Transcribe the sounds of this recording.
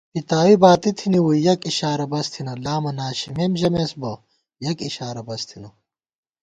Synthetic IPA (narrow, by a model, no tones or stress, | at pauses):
pit̪aːwibaːt̪it̪ʰiniwuijɐkiɕaːɾɐbɐst̪ʰinɐlaːmɐnaːɕimemʑɐmesbɐ | jɐkiɕaːɾɐbɐst̪ʰinɐ